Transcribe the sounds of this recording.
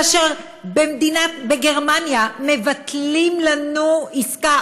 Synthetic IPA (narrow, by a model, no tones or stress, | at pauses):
aʃeʁ | bemd̪inabeɡe̞ʁmanjame̞vat̪limlanuiska